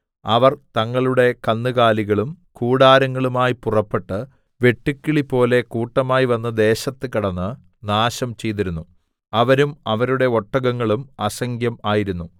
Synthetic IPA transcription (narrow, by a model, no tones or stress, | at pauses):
ɐʋɐrt̪ɐŋːɐɭuɽe̞kɐnːɨɣaːliɣɐɭum | kuːɽaːɾɐŋːɐɭumaːjipurɐpːe̞ʈːɨ | ʋe̞ʈːikʲːiɭipo̞ːle̞kuːʈːɐmaːjiʋɐnːɐd̪e̞ːɕɐt̪ːɨkiɽɐnːɨ | naːɕɐmt͡ɕe̞jt̪iɾunːu | ɐʋɐɾumɐʋɐɾuɽe̞o̞ʈːɐɣɐŋːɐɭumɐsɐŋɡʱjɐmaːjiɾunːu